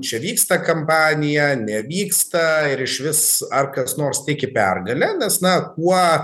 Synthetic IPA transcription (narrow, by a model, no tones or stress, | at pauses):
t͡ʃʲɛʋʲiːkst̪ɐkɐmpɑːnʲɪjɛnʲɛʋʲiːkst̪ɐɪɾɪʃʋʲɪsɐrkɐsnoːrst̪ʲɪkʲɪpʲɛrɡɐlʲɛnʲɛsnɐk̚uɔ